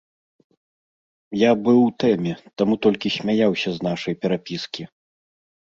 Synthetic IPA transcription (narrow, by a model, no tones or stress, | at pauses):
jabɨwt̪ɛmʲɛt̪amut̪ɔlʲkʲisʲmʲajawsʲɐznaʂɐjpʲɛɾapʲiskʲi